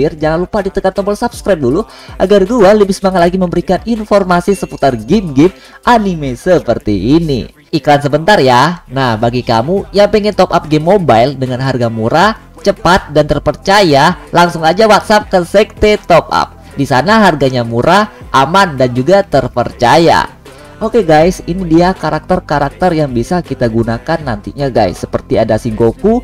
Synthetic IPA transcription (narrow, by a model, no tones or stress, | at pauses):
ɪrd͡ʒaŋanlupadit̪əkant̪ɔmbɔlsapskɾajp̚dulu | ʔaɡardualəbɪsbaŋat̪̚laɡiməmbəɾikaninformasisəput̪arɡimɡɪm | ʔanimesəpərt̪iʔːnḭ | ikɾansəbənt̪arjanahbaɡika̰mujaŋpɛŋɛnt̪ɔpap̚ɡemːobajldəŋanɦarɡamuɾa | t͡ʃəpat̪̚dant̪ərpərt͡ʃajalaŋsʊŋad͡ʒawat̪̚sap̚kəsɛk̚t̪et̪ɔp̚a̰p̚ | disanaɦarɡaɲamuɾʔaʔamandand͡ʒuɡat̪ərpərt͡ʃaja̰ | ʔokeɡajsinidiakaɾak̚t̪ərkaɾak̚t̪ərjaŋbisakit̪aɡunakanːant̪iɲaɡa̰jsːəpərt̪iadasiŋɡoku